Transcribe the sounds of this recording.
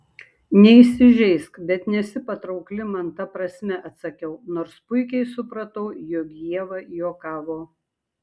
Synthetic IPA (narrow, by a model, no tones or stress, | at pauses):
nʲɛisʲɪʒʲɛɪskbʲɛt̪nʲɛsʲɪpɐt̪ɾɐʊklʲɪmɐnt̪ɐpɾɐsʲmʲɛʔɐt̪sɐkʲɛʊnoːɾspʊɪkʲɛɪsʊpɾɐt̪ɐʊjoːɡʲjiɛʋɐjoːkɑːʋoː